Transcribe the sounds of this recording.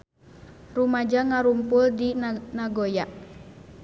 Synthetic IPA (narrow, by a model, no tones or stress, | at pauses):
rumad͡ʒaŋaɾumpʊldinaɡojaʔ